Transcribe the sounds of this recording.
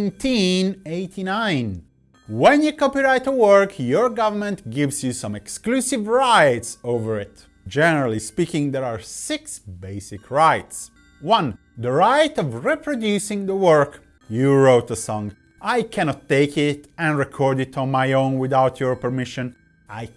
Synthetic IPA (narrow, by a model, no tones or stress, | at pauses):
ntʰĩneɪt̪ʰinãɪ̃n | wɛ̃njukɔpiɹaɪt̪əwəɹkʰjɔɹɡʌvəɹmɛ̃nt̪ɡɪvsjusãmɛksklusivɹajtsovəɹɪt̪ | d͡ʒɛnəɹalˠispikɪ̃ŋd̪ɛɹaɹsɪksbeɪsɪkʰɹaɪts | wʌ̃n | d̪əɹaɪt̪ɔvɹipɹɔd̪jusɪ̃ŋd̪əwɜɹk | juɹoʊt̪əsɔ̃ŋ | ʔajkʰæñɔt̪ːeɪkɪt̪ɛ̃nɹɛkʰɔɹdɪt̪ʰɔ̃nmajõʊ̃nwɪðawt̪ʰjɔɹpəɹmɪʃə̃n | aj